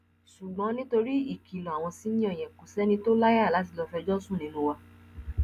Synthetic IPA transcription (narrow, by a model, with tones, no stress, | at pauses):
ʃu˨ɡ͡bɔ̃˨˦nĩ˦to˧ɾi˦i˦˨ki˨lɔ̃˨a˨w̃ɔ̃˧si˨˦nĩ˦ɔ̃˦˨j̃ɛ̃˨ko˨sɛ˦nĩ˧to˦la˦ja˦˨la˨˦t̬i˧lɔ˧fɛ˧d͡ʒɔ˦sũ˦˨nĩ˨˦lu˦wa˧